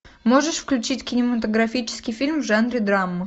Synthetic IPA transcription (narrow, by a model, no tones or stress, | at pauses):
moʐɨʂfklʲʉt͡ɕitʲkʲɪnʲɪmət̪əɡɾɐfʲit͡ɕɪ̥skʲɪjfʲilʲmvʐanɾʲɪd̪ɾamːɨ